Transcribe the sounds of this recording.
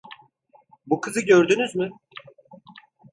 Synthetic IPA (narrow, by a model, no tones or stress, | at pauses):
bukʰɯzɯɟøɾd̪ynyzmʏ